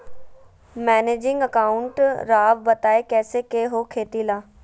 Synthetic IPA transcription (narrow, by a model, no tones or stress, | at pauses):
mɛːneːd͡ʒɪŋɡəkaːʊɳʈɾaːʋbət̪aːeːkɛːseːkeːɦoːkʰeːt̪iːlaː